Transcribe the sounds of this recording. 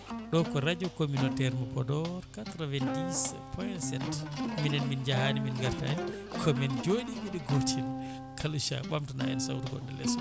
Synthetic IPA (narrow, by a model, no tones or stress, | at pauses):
ɗɔkɔɾad͡ʒukominotɛɾmapɔdɔɾkatɾɔvɛndis | pʰɔjnsɛntminɛnmind͡ʒahaniminɡaɾta̰ɛ | kʰɔmɛnd͡ʒoɗimiɗiɡotʰin | kʰaluʃa̰ɓamtna̰ɛ̰nsa̰wtuɡɔ̰ndɛ̰lɛ̰sɔ